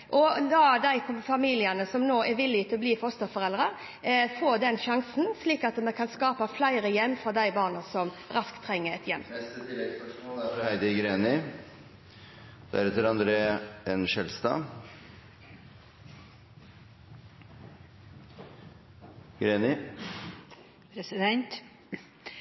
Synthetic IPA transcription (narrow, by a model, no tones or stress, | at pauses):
ʔɔd̪ɑd̪æɪfɑmiːlɪənəsɔmnoːʔæʋɪlːɪt̪ʰɪlɔbliːfɔst̪əfɔʁɛld̪ʁə | foːd̪ɛnʃɑŋsn̩sliːkɑt̪mɛkʰɑnskɑːpəflæɪɾəjɛmːfɾɑd̪æɪbɑːʁnəsɔmɾɑskt̪ʰːɾɛŋːəɛt̪ʰjɛmːɛst̪əd̪ɪlɛk̪̚spəʂmolæfɔhæɪd̪əɡɾeːnɪ | d̪̥æ̰ɾɛt̪ɪlɑnd̪ɾeːɛnʃɛlst̪ɑ̰ː | ɡɾeːnɪ | pɾɛsɪd̪ɛnt̪